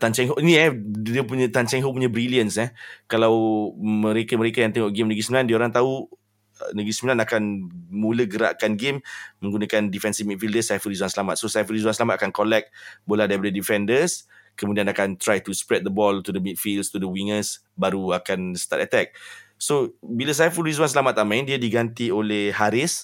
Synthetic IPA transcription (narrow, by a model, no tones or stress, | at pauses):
t̪ant͡ʃɛŋɦoʔiniɛdiəpuɲat̪ant͡ʃɛŋɦopuɲabɾiliənsɛkalawməɾekaməɾekajaŋt̪ɛŋɔʔɡɪmnəɡɾisəmilandiəoɾaŋt̪au | ənəɡɾisəmilanakanmuləɡəɾa̰ʔkanɡemmə̃ŋɡunakandifɛnsimit̪̚fildəsajfəɾisuansəlamat̪̚sosajfəɾis̬uwansəlamat̪̚akankolɛk̚bolahdaɾipadədifɛndəs | kəmudianakant̪ɾajt̪uspɾɛt̪̚d̪əbɔlt̪udəmit̪̚fildst̪udəwiŋəs | baɾuakansə̥t̪at̪ət̪ɛk̚sobilas̬ajfulis̬wansəlamat̪ːamãjndiadiɡant̪iolehɦaɾɪs